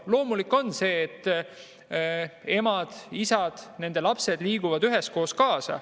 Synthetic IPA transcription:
lo̞ːmulikːˑo̞nːse̞ːt̪ː | e̞mɑd̪̥isɑd̪̥ne̞nd̪̥e̞lɑpse̞d̪liːɡ̥uvɑd̪yɦe̞sko̞ːskɑːsɑ̰

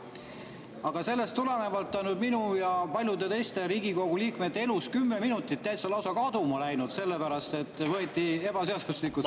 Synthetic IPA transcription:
ɑɡ̥ɑse̞lːest̪ːulene̞vɑlt̪ːɑnud̪minujɑpɑlʲjud̪e̞t̪e̞jst̪e̞ɾiːɡ̥iko̞ɡ̥uliːkmet̪ːeeluskymːeminut̪ːˑit̪ːæjt̪sɑlɑwsɑkɑd̪̥umɑlæjnud̪̥se̞lːepæɾɑst̪e̞t̪ːˑvɤet̪ʲːˑie̞b̥ɑse̞ɑd̪̥uslikːˑu

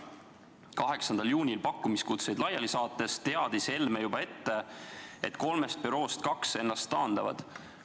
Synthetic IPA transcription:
kɑɦe̞ksɑnd̪̥ɑljuːnʲilpɑkːˑumiskut̪se̞jd̪lɑjɑlisɑːt̪ːˑe̞st̪e̞ɑd̪̥ise̞lmejubɑe̞t̪ːe̞e̞t̪ːˑko̞lme̞st̪̚pyɾo̞ːst̪kɑkse̞nːɑst̪ːɑːnd̪̥ɑvɑ̰d̪̥

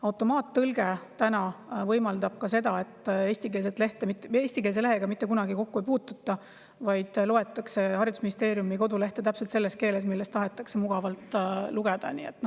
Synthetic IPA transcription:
ɑwt̪ːˑo̞mɑːt̪ːɤlɡ̥e̞t̪ænɑvɤjmɑld̪̥ɑb̥̚kɑse̞d̪ɑet̪ːˑe̞ːst̪ikelset̪ːˑle̞ht̪emit̪eːsʲt̪ike̞ls̬e̞le̞ɦeɡ̥ɑmit̪ːˑe̞kunɑɡiko̞kːue̞jpuːt̪ːˑut̪ˑːɑ | vɑjd̪̥lo̞e̞t̪ːˑɑkse̞hɑrjɑd̪̥usminist̪e̞ːɾjumiko̞d̪ule̞ht̪et̪æpse̞lt̪se̞lːe̞st̪̚ke̞ːle̞smilːe̞st̪ɑɦe̞t̪ːˑɑkse̞muɡ̥ɑvɑlt̪ːˑluɡ̥e̞d̪̥ɑ̰nḭe̞̰t̪ːˑno

